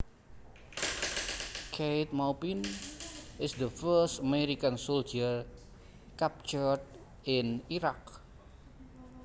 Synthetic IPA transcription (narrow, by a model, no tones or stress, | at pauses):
kʰejt̪̚mawpin | ɪsd̪əfəstəmeɾikansold͡ʒər | kap̚t͡ʃəɹd | ɪniɾak